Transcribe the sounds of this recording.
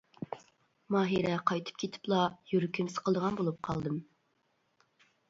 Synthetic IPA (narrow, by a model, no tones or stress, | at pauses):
mɑːɦiɾɛqʰɑjt̪ʰɨ̥p̚kʲʰet̪ʰɪ̥plˠɑjyɾykʰʲymsə̥qʰəlˠd̪əʁɑnbolˠup̚qʰɑlˠd̪ɨm